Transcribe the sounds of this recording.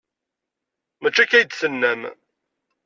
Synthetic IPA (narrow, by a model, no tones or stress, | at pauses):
mæt͡ʃːækæjd̪sənːæm